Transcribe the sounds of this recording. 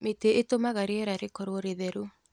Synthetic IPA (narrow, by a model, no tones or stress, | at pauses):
meteʔetomaɣaɾeɛɾaɾekoɾoɾeðɛɾu